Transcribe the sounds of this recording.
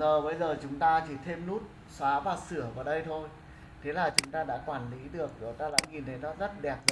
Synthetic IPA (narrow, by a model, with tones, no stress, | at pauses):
əː˨˩ɓə˧jzəː˨˩t͡ɕʊ˨˦ŋ͡mt̪aː˧t͡ɕi˧˩t̪ʰe˧mnu˦˥t̚ | swaː˨˦vaː˨˩sɨ˧˩əvaː˨˩ɗə˧jt̪ʰo˧j | t̪ʰe˨˦laː˨˩t͡ɕʊ˨˦ŋ͡mt̪aː˧ɗa̰ː˧˥kwaː˧˩nli˨˦ɗɨ˨˩ək̚ɗo˨˦t̪aː˧la̰ː˧˥jŋi˨˩nt̪ʰə˨˦jnɔ˨˦zə˦˥t̚ɗɛ˨˩p̚z